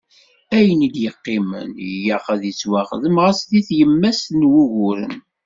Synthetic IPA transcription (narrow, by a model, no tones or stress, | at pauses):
æjənid̪jəqːɪmə̰njæχəðjət͡sːwɑχðəmʁəsðiθjəmːæsnwuʝʊɾə̰n